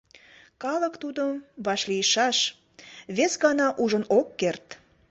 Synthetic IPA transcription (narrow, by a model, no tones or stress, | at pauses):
kɑləkt̪ud̪əmβɑʃlijəʃɑʃ | βesɣɑnɑʔuʒənokːert̪